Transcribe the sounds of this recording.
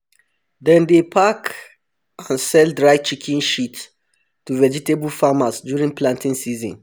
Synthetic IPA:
dɛ̃ndepʰak | ãnsɛldɹajt͡ʃikʰĩnʃit | tːuvɛd͡ʒitebəlfamasdjuɹĩŋplãntĩŋsizɔ̃n

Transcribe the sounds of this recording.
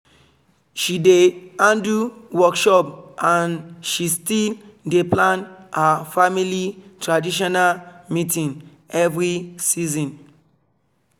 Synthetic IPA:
ʃideãnduwɔkʃɔpʔãnʃistildeplãnhafamilitɹadiʃ̬ɔnalmitĩn | ɛvɹisizɔ̃n

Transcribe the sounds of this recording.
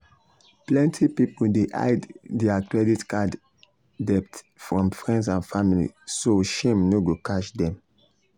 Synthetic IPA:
plɛ̃ntʰipipoldeʔa̰ɪddiakɹɛditkad | dɛp̚t | fɹɔ̃mfɹɛ̃ndsãnfamilḭsoʃẽmnoɡokaʃdɛ̃m

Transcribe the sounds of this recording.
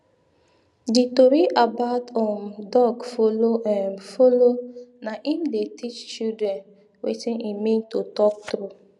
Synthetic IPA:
ditoɾiʔabatɔ̃ndɔɡfoloʔɛnfolonaʔim̩detʰit͡ʃt͡ʃudɾɛn | wḛtinʔimĩntotɔk̚tɾu

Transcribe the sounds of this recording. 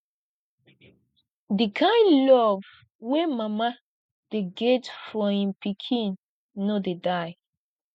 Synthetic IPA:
dikʰãɪ̃nlɔv̥ | wemama | d̥eɡɛtfɔĩmpikʰĩnː | odedaj

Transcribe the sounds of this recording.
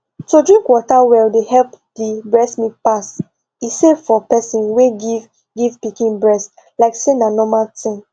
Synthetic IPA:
todɹĩŋkwɔtawɛldehɛlp | dibɹɛsmipas | isefɔpɛsĩnweɡiv | ɡivpikĩnbɹɛs | laɪksenanɔmaltĩn

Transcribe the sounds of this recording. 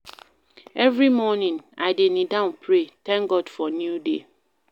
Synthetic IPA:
ɛvɹimɔnĩnaɪdenĩdãʊ̃npʰɾetɛ̃ŋɡɔdfɔnjudḛ

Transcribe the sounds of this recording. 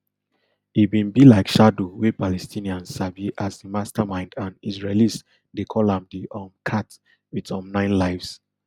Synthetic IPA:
ibĩnbilaɪkʃadowepalɛstʰĩniãnsaviʔasdimastamãɪ̃ndãnisɹalis | dekʰɔlãmdiʔɔmkʰat | witɔ̃mnãɪ̃nlaɪfs

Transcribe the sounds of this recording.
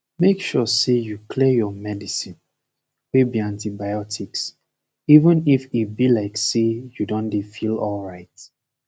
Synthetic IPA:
mekʃɔsejukʰlijɔmɛdisĩn | webiãntibaɪɔtʰiks | ivə̃nifit̚bilaɪksejudɔ̃ndefilɔlɹaɪt

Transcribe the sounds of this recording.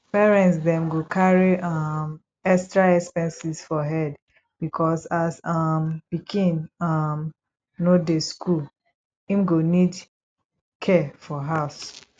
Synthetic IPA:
pɛɹɛ̃ntsdɛ̃mɡokʰaɹiam | ɛstɹaɛkspɛ̃nsisfɔɦɛd | b̥ikʰɔsasamb̥ikʰĩnam | nodeskʰul | ĩmɡonid | kʰɛfɔɦas

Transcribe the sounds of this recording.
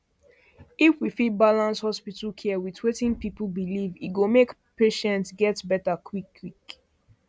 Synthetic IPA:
ifwifibalãnshɔspitl̩kʰɛwitʰwetĩnpipl̩biliviɡomekpeʃɛ̃ntsɡɛtbɛtakʰwikʰːwik

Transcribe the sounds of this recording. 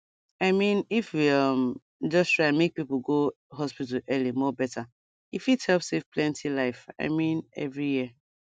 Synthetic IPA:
aɪmĩnifwiʌm | d͡ʒʌstɹaɪmek̚piplɡo | ɦɔspitəlʔɛlimɔbɛtʰa | ifithɛlpsev̥plɛ̃ntʰilaɪfa̰ɪmĩnɛ̰vɹiji

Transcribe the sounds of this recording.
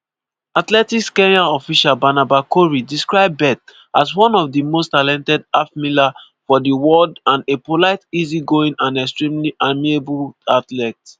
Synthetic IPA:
atlɛtikskɛ̃naɔfiʃalbanabakoɹidiskɹaɪbːɛt | aswɔ̃nɔfdimostalɛ̃ntɛdafmila | fɔdiwɔdãnepolaɪtiziɡoĩnãnɛkstɹĩmliʔamiebuatlɛts

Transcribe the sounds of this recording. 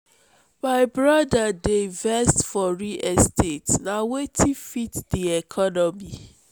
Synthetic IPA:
maɪbɹɔdadevɛstfɔɹiʔɛstʰetnawetʰifitdiɛkʰɔnɔmi

